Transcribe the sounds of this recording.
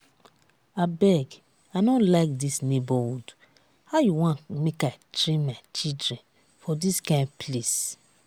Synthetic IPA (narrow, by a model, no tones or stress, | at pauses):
abɛɡ | aɪnɔ̃laɪk̚disnebɔwud | haʊjuwãnmekaɪtɹẽnmat͡ʃidɹɛ̃n | fɔdiskãɪ̃nples